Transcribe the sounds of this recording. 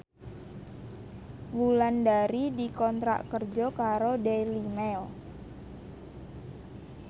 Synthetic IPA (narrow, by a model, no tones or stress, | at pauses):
wulandaɾidikɔnt̪ɾa̰ʔkərd͡ʒɔkaɾodɛlimɛl